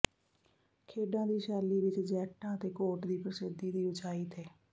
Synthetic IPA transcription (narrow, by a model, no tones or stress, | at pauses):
kʰeːɖãːd̪iːʃaːliːʋɪt͡ʃd͡ʒɛːʈãːət̪eːkoːʈd̪iːpɾəsɪd̪iːd̪iːʊt͡ʃʰaːiːt̪ʰeː